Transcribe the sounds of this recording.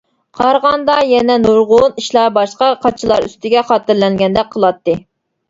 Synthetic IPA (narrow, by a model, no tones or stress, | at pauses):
qʰɑɾʁɑnd̪ɑjɛnɛnuɾʁʊniʃlˠɑbɑʃqɑqʰɑt͡ʃʰilˠɑɾy̰st̪ɪɡʲɛχɑːt̪ɨɾlɛŋɡʲɛnd̪ɛk̚ʲqʰəlˠɑt̪ːɨ